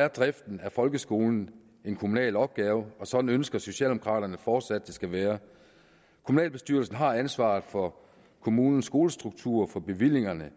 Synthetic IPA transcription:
æɐd̥ʁɛfd̥n̩æɐfɒ̽lɡ̥əsɡ̥o̝̰ːln̩ | e̝nkʰo̝munɛ̰ːlɒ̽b̥̚ɡ̥ɛːʊɒ̽sɒ̽d̥n̩ønsɡ̥ɐso̝ɕɛ̰ːld̥emo̥kʰʁɑ̰̈ːɾ̥ɐnəfɒːd̥sæd̥ːe̝sɡ̥æʋæːɐ | kʰo̝munɛ̰ːlb̥e̝sd̥yːɐlsn̩ɦɑ̈ænsʋɑ̈ːð̩ˠfɒ̽ | kʰo̝muːnn̩sːɡ̥o̝ːləsd̥ʁuɡ̥̚t͡sʰuɐ̰fɒ̽b̥e̝ʋil̰e̝ŋɐnə

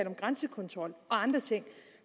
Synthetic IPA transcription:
lɒ̽mɡ̥ʁansəkʰɒ̽nt͡sʰʁɒ̽l̰ɒ̽ɑ̈nd̥ʁɐt͡sʰe̝ŋ̰

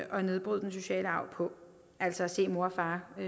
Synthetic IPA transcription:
ɒ̽ne̝ð̞ˠb̥ʁuð̰ˠd̥enɕo̝ɕɛ̰ːləɑ̈ʊ̰pʰɒ̽ | ʔæl̰sɒ̽ɒse̝̰ːmo̝ɐɒfɑ̈ː

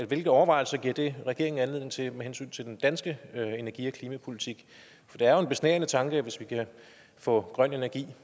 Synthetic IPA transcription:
eʋe̝lɡ̥ð̩ˠɒʊɐʋɑ̈ɪ̰l̩sɐɡ̥iɐ̰d̥e̝ʁɛɡ̥e̝ɐeŋn̩ænle̝ð̰ˠne̝ŋt͡sʰe̝mehensy̰ːnt͡sʰe̝ldend̥ænsɡ̥əe̝næɐɡ̥ḭːɒkʰliːmæpʰo̝lit͡sʰiɡ̥ | fɒ̽d̥eæɐjoe̝nb̥e̝snḛːɐnət͡sʰɑ̈ŋɡ̥əʋe̝sʋikʰæ | fɔ̰̽ːɡ̥ʁɶn̰e̝næɐɡ̥ḭː

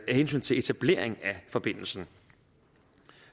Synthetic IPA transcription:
æhensy̰ːnt͡sʰe̝le̝t͡sʰæb̥le̝̰ːɐeŋæfɒ̽b̥e̝n̰l̩sn̩

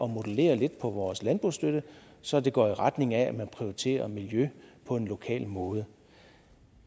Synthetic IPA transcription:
ʔɒ̽mo̝d̥əle̝̰ːɐle̝d̥̚pʰɒ̽ʋɒːslænb̥ʁusd̥øɾ̥əsɒ̽d̥e̝ɡ̥ɒ̰ːiʁad̥ne̝ŋææmænpʰʁioit͡sʰe̝̰ːɐmiljøpʰɒ̽e̝nlo̝kʰɛ̰ːlmɔ̽ːð̞ˠə

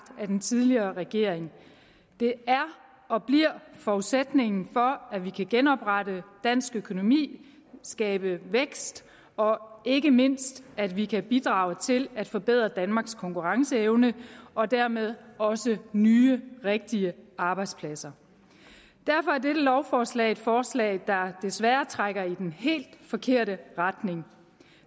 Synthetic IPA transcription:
d̥æd̥ent͡sʰið̞ˠliɐːʁɛɡ̥e̝ɐ̰eŋ | d̥e̝æɐ | ɒ̽b̥liɐ̰fɒuðˠsed̥ne̝ŋn̩fɒ̽æʋikʰæɡ̥enɒ̽b̥ʁɑɾəd̥æn̰sɡ̥økʰo̝no̝mḭː | sɡ̥ɛːb̥əʋeɡ̥sd̥ | ɒ̽e̝ɡ̥əme̝n̰sd̥æd̥ʋikʰæb̥id̥ʁɑ̈ːʊt͡sʰe̝læd̥fɒ̽b̥e̝ð̰ˠʁɐd̥ænmɑ̈ːɡ̥skʰɒ̽ŋkuʁɑ̈ŋsəeʊnəʔɒ̽d̥æɐ̰með̞ˠɒ̽sənyːəʁeɡ̥̚d̥iəɑ̈ːb̥ɑ̈ɪd̥spʰlæsɐ | d̥æɐfɒ̽æɐd̥eɾəlɒʊfɒːslɛ̰ːɪe̝d̥fɒːslɛ̰ːɪd̥ɑ̈d̥e̝sʋæːɐt͡sʰʁaɡ̥ɐid̥enhe̝̰ːld̥fɒ̽kʰe̝ɐ̰ɾəʁad̥ne̝ŋ

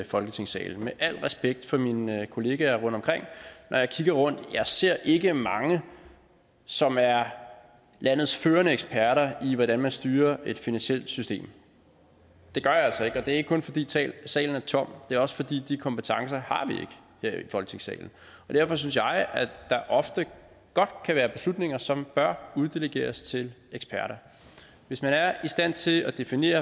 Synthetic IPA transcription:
fɒ̽lɡ̥ət͡sʰe̝ŋsɛ̰ːln̩meʔæl̰̥ʁɛsb̥eɡ̥̚d̥fɒ̽minkʰo̝le̝ːɡ̥æʁɔ̽n̰d̥ɒ̽mkʁeŋ̰nʔɒjɑ̈ɪkʰiɡ̥ɐʁɔ̽n̰d̥jɑ̈ɪse̝ɐ̰ʔe̝ɡ̥əmɑ̈ŋə | sɒ̽mæɐ | læn̰ð̞̩ˠsføːɐnəeɡ̥spʰæɐɾɐiʋɒɾ̥ænmænsd̥yːɐe̝d̥finænsiel̰d̥sysd̥e̝̰ːm | d̥e̝ɡ̥ɶɐjælsɒ̽e̝ɡ̥ɒ̽d̥e̝ɐeɡ̥ə̥kʰɔ̽nfɒ̽d̥ḭːsɛ̰sɛ̰ːln̩æɐt͡sʰɒ̽m̰d̥e̝æɐɒ̽sə̥fɒ̽d̥ḭːd̥ikʰɒ̽mpət͡sʰɑ̈ŋsɐhɑ̈ʋie̝ɡ̥ə̥ | he̝ɐ̰ifɒ̽lɡ̥ət͡sʰeŋsɛ̰ːln̩ | ɒ̽d̥æɐfɒ̽s̬yns̬jɑ̈ɪæd̥ɑ̈ʔɒ̽fd̥ə | ɡ̥ɒ̽d̥kʰæʋæːɐb̥e̝slud̥ne̝ŋɐsɒ̽mb̥ɶɐuð̞ˠd̥eləɡ̥e̝̰ːɐst͡sʰe̝leɡ̥spʰæɐɾɐ | ʋe̝smænæɐisd̥æn̰t͡sʰe̝æd̥e̝fine̝̰ːɐ

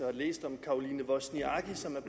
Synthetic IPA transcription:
hɑlḛːsd̥ɒ̽mkʰɑ̈o̝liːnəʋɒsniɑ̈ɡ̥isɒ̽mæɐb̥

